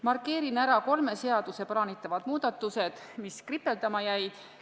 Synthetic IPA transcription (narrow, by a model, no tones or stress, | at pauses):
mɑrkˑːe̞ːɾinæɾɑko̞lme̞se̞ɑd̪̥use̞pɑɾɑːnit̪ːˑɑvɑd̪̥muːd̪̥ɑt̪ːˑuse̞d̪̥ | miskripːe̞ld̪̥ɑmɑjæjd̪̥